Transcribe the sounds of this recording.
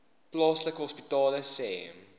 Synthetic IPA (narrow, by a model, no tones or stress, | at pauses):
plɑːsləkɦɔspitɑːləseɛ̰m